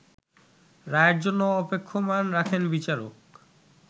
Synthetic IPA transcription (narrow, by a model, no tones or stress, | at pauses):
ɾaeɾd͡ʑonːoɔpekʰːomanɾakʰenbit͡ɕaɾo̰k